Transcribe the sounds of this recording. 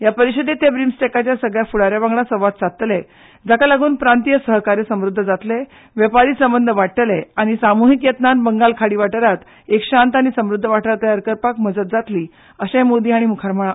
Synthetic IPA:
japəɾiɕəd̪et̪ebɾimsʈekat͡ɕjasəɡɭjafuɽaɾjabãŋɡɭasəʋat̪t͡sat̪le | d͡zakalaɡuːnpɾant̪ijəsəɦkaɾjəsəmɾud̪ʱːəd͡zat̪le | ʋjəpaɾiːsəmbənd̪ʱəʋaʈʈəleaɽ̃isamuɦikjət̪nanbəŋɡalkʰaɽiːʋaʈəɾat̪ | ekɕãnt̪aɽ̃isəmɾud̪ʱːəʋaʈʰaɾt̪əjaɾkəɾpakməd͡zət̪̚d͡zat̪liː | əɕẽmod̪iːaɽ̃imukʰaɾməɭa

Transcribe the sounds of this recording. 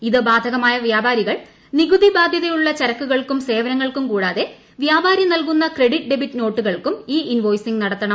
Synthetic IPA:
iðɨbaːd̪ʱɐɣɐmaːjɐʋjaːbaːɾiɣɐɭ | niɣud̪ʱibaːd̪ʱjɐðɐjuɭːɐt͡ɕɐɾɐkːuɣɐɭkumse̞ːʋɐnɐŋːɐɭkumkuːɽaːðe̞ | ʋjaːbʱaːɾjɐnɐlkunːɐkre̞ɽiʈ̚ɖe̞bitːɨno̞ːʈːuɣɐɭkumiːinʋo̞ːjsiŋɡnɐɽɐt̪ːɐɳɐm

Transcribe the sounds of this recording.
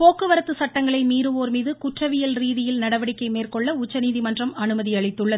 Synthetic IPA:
poːkːɯʋɐɾɐt̪ːɯsɐʈːɐŋɡɐɭɐɪmiːɾɯoːɾmiːðɯkʊʈrɐʋɪjɐlɾiːðɪjɪlnɐɽɐʋɐɽɪkːɐɪmeːrkɔɭːɐʊt͡ʃːɐniːðimɐndrɐmɐnɯmɐðiɐɭɪt̪ːɯɭːɐ

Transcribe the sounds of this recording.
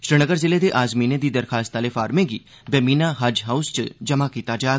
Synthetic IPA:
ʃɾɪnəɡəɾzɪleːd̪eːʔaːzmiːneːd̪iːd̪əɾkʰaːst̪aːleːfʰaːɾmẽːɡiː | bɛːmiːnaːɦəd͡ʒɦaust͡ʃd͡ʒəmaːkiːt̪aːd͡ʒaː

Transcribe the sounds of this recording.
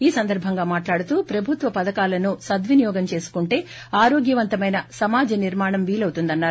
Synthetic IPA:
iːsɐnd̪ɐɾbʱɐŋɡaːmaːʈlaːɽut̪uːpɾɐbʱut̪ʋɐpɐd̪ɐkaːlɐnusɐd̪ʋinijɔːɡɐmt͡ʃe̞ːsu̥kuɳʈe̞ː | aːɾoːɡjɐʋɐnt̪ɐmɐjnɐsɐmaːd͡ʒɐniɾmaːɳɐmʋiːlɐwt̪und̪ɐnːaːɾu

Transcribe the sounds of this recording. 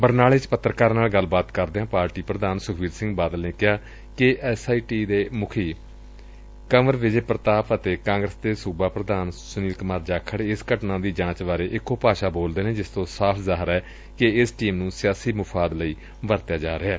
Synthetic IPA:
bəɾnaːlɪt͡ʃpət̪ːɾəkaːɾnaːlɡəlbaːt̪kəɾd̪eãːpaːɾʈiːpɾəd̪aːnsʊkʰʋiːd̪sɪ̃ŋɡbaːd̪əlneːkɪɦaː | kɪʔɛːsaːiːʈiːd̪eːmʊkʰiː | kəməɾʋɪd͡ʒpɾət̪aːpət̪eːkãːŋɡɾəsd̪eːsuːbaːpɾəd̪aːnsʊniːlkəmaːɾd͡ʒaːkʰːəɽeːɪskəʈnãːd̪iːd͡ʒãːt͡ʃʋaːɾeːʔɪkːoːpaːʃaːboːld̪eːneːd͡ʒɪst̪õːsaːpʰzaːɦəɾɛː | kɪɪsʈiːmnũːsɪjaːsiːmʊpʰaːd̪ləiː | ʋəɾt̪jaːd͡ʒaːɾɪɦɛː

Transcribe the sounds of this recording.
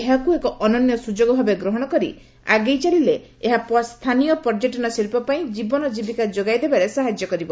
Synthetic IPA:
eɦakuekɔʔɔnɔnjɔsud͡ʒoɡɔbʱabeɡɾoɦɔɽ̃ɔkɔɾḭ | a̰ɡejt͡ʃalile | eɦapɔst̪ʰanijɔpɔɾd͡ʒeʈinɔsiɾpɔpaĩd͡ʒibɔnɔd͡ʒibikad͡ʒoɡajd̪ebaɾesaɦad͡ʒjɔkɔɾibɔ

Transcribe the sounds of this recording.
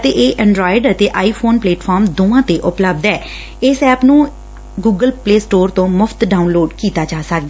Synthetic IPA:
t̪eːʔeːʔə̃ɳɖɾɔːɪɖət̪eːʔaːiːpʰoːnpleːʈfʰɔːɾmd̪oːʋãːt̪eːʔʊpləb̚d̪ɛː | ɪːsɛːpnũː | ɡuːɡəlpleːsʈoːɾt̪õːmʊpʰt̪ɖaːunloːɖkiːt̪aːt͡ʃaːsək̚d̪ɛː

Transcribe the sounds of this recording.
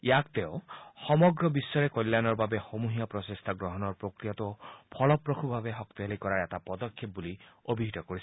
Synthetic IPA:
jakt̪ewxɔmɔɡɾɔbisːɔɾekɔjlːanɔɹbabexomuɦijapɾɔsest̪ʰaɡɾɔɦɔnɔɹpɾokɾijat̪upʰɔlɔpɾɔkʰubʱabeɦɔkt̪ialikɔɾaɾɛt̪apɔd̪ɔkʰːep̚buliobʱiɦit̪ɔkoɾis

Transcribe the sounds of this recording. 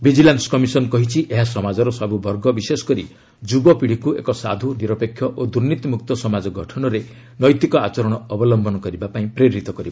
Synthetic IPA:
bid͡ʒilanskɔmisɔnɔkɔɦit͡ʃʰiʔeɦasɔmad͡ʒɔɾɔsɔbubʱɔɾɡɔbisesɔ̥kɔɾi | d͡ʒubɔpiɽ̤ikuḛkɔsa̰d̪ʱuniɾɔpekʰːjɔʔod̪uɾnit̪imuk̚t̪ɔsɔmad͡ʒɔɡʱɔʈʰɔnɔɾe | nɔjt̪ikɔat͡ʃɔɾɔɽ̃ɔːbɔlɔmbʱɔnɔkɔɾibapaĩpɾeɾɾit̪ɔkɔɾiba

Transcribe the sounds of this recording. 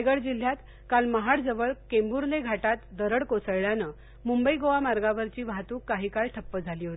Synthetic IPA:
ɡəɭd͡ʑil̤ːjat̪ | kalməɦaɽd͡zəʋəɭkembuɾleɡʱaʈat̪d̪əɾəɽkosəjɭjanə | mumbəiɡoʋamaɾɡaʋəɾt͡ɕiːbʱat̪uːkːaɦiːkaɭʈʰəpːəd͡zʱaliːɦot̪i

